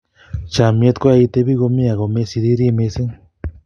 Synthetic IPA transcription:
t͡ʃa˨mi˧e˦t̪kʷa˦a˧i˧t̪e˧βi˦ɣo˧mi˦a˨ɣo˨me˦si˧d̪i˦ɾi˦me˧se˦n

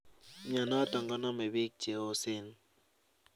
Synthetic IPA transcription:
ɲa˨nɔ˦tɔ˨ŋɡɔ˦nɔ˦me˨bi˦k̚d͡ʒe˨o˦se˦n

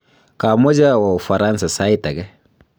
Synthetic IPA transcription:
ka˨mɔ˦d͡ʒa˦wa˨u˨fa˨ɾa˦nsa˨sa˦i˦ta˨ɡɛ˦

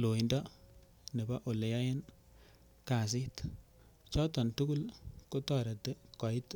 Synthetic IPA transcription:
lo˨i˨ndɔ˦ | ne˨ba˦ʔo˨le˨ja˦je˦n | ka˨s̬ɪ˦t | t͡ʃɔ˦tɔ˨ntu˦ɡu˦lko˦tɔ˨ɾɛ˨te˦kɔ˨ɪ˦t

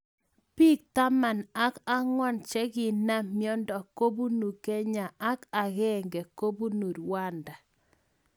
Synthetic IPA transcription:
pi˦k̚ta˦ma˨na˦ka˦ŋwɔ˦nt͡ʃɛ˦ɡɪ˨na˦mjɔ˦ndɔ˨ko˦bu˦nu˨ke˦ɲa˨ʔa˦ka˨ɣɛ˦˨ŋɡɛ˨ko˦bu˦nu˨ɾwa˦nda˨

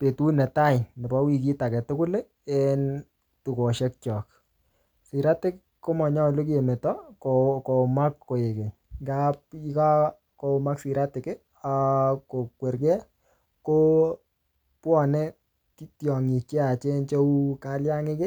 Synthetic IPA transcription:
pe˨tu˦nɛ˨ta˦jnɪ˨bɔ˦wi˨k̬i˦ta˨kɛ˨tʊ˦kʊ˦le˦ | ɛn | tu˨ko˨ʃɛ˦k̚t͡ʃɔ˨k̚ | si˨ɾa˦tɪ˦k | kːo˦mɔ˨ɲa˦˨lu˦k̬je˨me˨tɔ˦koko˨ma˦kːo˨je˨ke˨ | ŋɡap̚i˦ka˦ | ko˦ma˦ksi˨ɾa˦tɪ˨kɪ˦ | ko˨kwe˨ɾkɛ˦ | ko˦ | pwɔ˨nɛ˦ | ttjɔ˨ŋi˨t͡ʃe˦a˨t͡ʃe˦nt͡ʃo˦u˦kalja˦ŋɪ˦kɪ˦

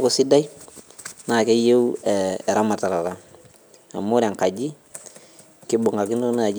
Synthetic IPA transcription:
ku˨si˦da˦j | na˨ke˦je˦ue˨ɾa˦ma˨ta˨ɾa˨ɾa˨ŋ | a̰˨mo˦ɾa˨ŋka˨ɟi˦ | ki˦bu˨ŋa˨ki˦no˦na˨d͡ʒ

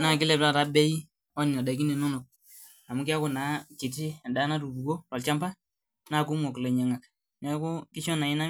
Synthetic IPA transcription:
na˨kɪ˦lɛ˨bla˦˨ta˨˦bɛ˦ji˦ | ɔ˦ni˨na˨da˨ki˦ne˨no˦no˨k̚ | a˨mu˦ki˦a˦ko˨na˨˦ki˨ti˦˨da˨˦na˦ɾu˨bu˨ko˦tɔ˨lt͡ʃa˦mpa˦ | na˦˨ku˦mo˨kle˨ɲa˨ŋa˨k | nɛ˨˦ku˦kɪ˦ʃɔ˦na˨i˦na˦

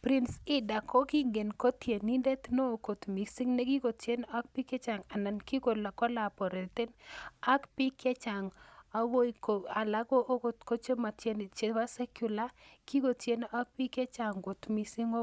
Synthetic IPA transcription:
pɾi˦nsɪ˦da˨ko˦ki˦ŋɡe˨nko˦t̪je˨ni˦nde˦t̪no˦˨ko˨t̪mi˨si˦ŋne˦ki˦ko˨tje˦na˦k̚pi˦ke˦t͡ʃa˨ŋa˨na˨nki˦ko˨la˨kɔ˦la˨bo˨ɾe˨t̪e˦na˦kpi˦ke˦t͡ʃa˨ŋa˨˦wo˦i˨ko˨a˨la˦ɡo˦ʔko˦tko˦t͡ʃe˦ma˨tje˦n˨t͡ʃe˦wa˦sɛ˦kju˨la˦ki˦ko˨tje˦n˦ʔa˦k̚pi˦ke˦t͡ʃa˨ŋko˨t̪mi˨si˦ŋo˦

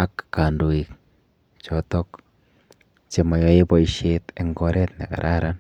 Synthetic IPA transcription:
a˦kːa˨ndu˨ik̚ | t͡ʃɔtɔ˦k | t͡ʃe˨ma˨jɔ˦e˦po˦iʃete˨ŋɡo˦ɾʔɛ˦t̪nḛ˨ka̰˨ɾʔaɾan

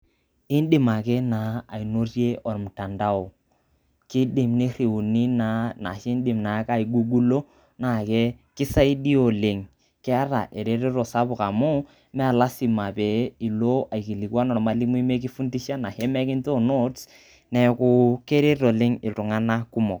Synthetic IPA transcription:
ɪ˦n˦dɪ˨ma˨kɛ˦na˨a˨i˨no˦rje˦ʔɔ˨ɾmʊ˨ta˨nda˦o˨ | kɪ˦dɪ˨mne˦re˨u˨ni˦na˨na̰˨ʃe˦n˦dɪ˨mna˨˦ka˦i˨ɡu˦ɡu˦lo˦ | na˨ke˦kɪ˦sa˦i˦di˦o˨le˨ŋ | kɪ˦a˦ɾa̰˨ʔe˨ɾe˦ɾe˦ɾo˨sa˦bʊ˨ka˨mu˦ | mɛ˦a˨la˦si˨ma˨pe˨˦i˨lo˦a˨i˨ki˨li˨kwa˦nɔ˨ɾma˦li˦mu˦i˦me˦k̬i˦fu˦nti˦ʃa˦na˨he˦mɛ˦kɪ˦n˦to˦no˦t | nɛ˨kʊ˦ke˦ɾe˦ɾo˨lɪ˦ŋɪ˨tu˨ŋa˦na˦ku˦mɔ˨k

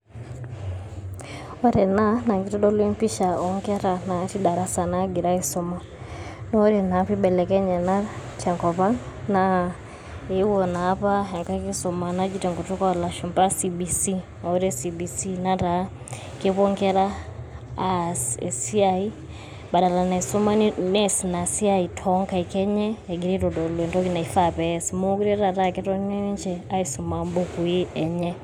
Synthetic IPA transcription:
ɔ˦ɾɛ˨na˦na˨ŋɡi˨tɔ˦dɔ˦lwɛ˦mpi˦ʃa˨ɔ˨ŋɡɛ˦ɾa˨na˨ti˦ɗa˨ɾa˦sa˨na˦ɡi˨ɾa˦i˦sɔ˦ma˨ | nɔ˦ɾɛ˨na˨pi˦ɓɛ˨lɛ˨kɛ˦ɲɛ˨na˦ta˨ŋkɔ˨pa˦ŋna˦ | ɛi˦wɔ˨naː˨˦pa˦ɦa˨ŋka˦ki˦sɔ˨ma˨na˦d͡ʒi˦tɛ˨ŋɡɔ˨tɔ˦ka˦˨la˨ʃu˨mpa˦si˨bi˨si˦ | ɔ˨ɾɛsibi˨si˦nata | keβo˦ŋkɛ˦ɾa˦˨ | si˦ai˦ | ba˨da˨la˨na˨i˨so˦ma˦nɛ˦sina˨si˦ai˨tʰɔŋka˨ikɛ˦ɲɛ˦ɛ˨ɡi˨ɾi˦ɾo˨dɔ˨lwe˨ntɔ˦kina˨i˨fa˦pɛsimo˦ku˦ɾɛɾa˨takɛtɔ˦ne˦ɲd͡ʒɛa˦iso˨ma˨mboku˨i˦ɛɲɛ

